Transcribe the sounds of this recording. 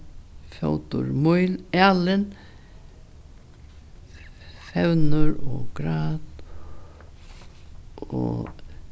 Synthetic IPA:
fjo̰wt̪ʊ̰ɾmʊjlalɪn | fɛwnʊɾɔkɾaːt̪ | ɔ̰

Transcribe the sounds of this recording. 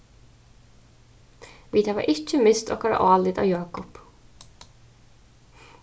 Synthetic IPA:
ʋiːt̪ʰaʋɑ̰ɾʔɪcːəmɪst̪ɔ̰kɑɾa̰ʔɑːlɪd̪ɑ̰ːʋjɑːkʊp

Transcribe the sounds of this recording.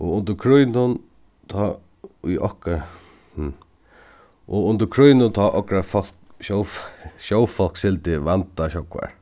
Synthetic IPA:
ɔʊnd̪əɾkʰɾʊjnʊn | t̪ʰɔ | ḭʔɔ̰hka | h | ʔɔʊnd̪əɾkʰɾʊjnʊnt̪ʰɔːʔɔkɾafɔl̥kʃɔwfʃɔwfɔl̥ksɪlt̪ɪʋant̪aɕɔkʋa̰ɹ

